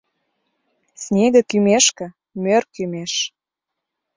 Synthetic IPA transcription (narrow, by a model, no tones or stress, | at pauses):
snʲeɣə̆kymeʃkə̆ | mørkymeʃ